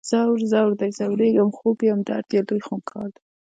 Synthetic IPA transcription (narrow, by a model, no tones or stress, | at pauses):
z̥awɾzawɾd̪ajzawɾeɡamxobiamd̪ɑ̰ɾt̪jelujxomkʰɑ̰ɾd̪a